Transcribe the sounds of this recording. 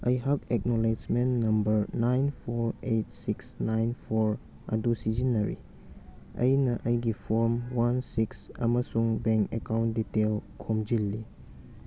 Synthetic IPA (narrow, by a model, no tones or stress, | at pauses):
ɐjɦakek̚nɔled͡ʒmennːɐmbɐɾnajnpʰoɾejtsiksnajnpʰoɾ | ɐ̰dusid͡ʒinɐɾḭ | ɐ̰jnɐʔɐjɡipʰoɾmwansiksɐ̰mɐsuŋbeŋkekawntditelkʰomd͡ʒilːi